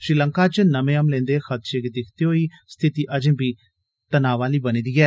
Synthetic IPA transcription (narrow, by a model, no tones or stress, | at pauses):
ʃɾiːləŋkaːt͡ʃnəmẽːəmlẽːnd̪exʰət̪̚t͡ʃekd̪ɪkʰt̪eɦoiːst̪ʰɪt̪iːʔəd͡ʒbʱiː | t̪ənaːʋaːliːbəniːd̪iːɡɛː